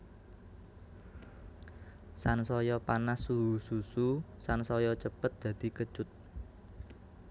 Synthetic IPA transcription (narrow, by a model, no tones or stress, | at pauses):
sansɔjɔpanasuɦusususansɔjɔt͡ʃəpət̪̚d̪̥ä̤d̪̥i̤kə̥t͡ʃʊt̪̚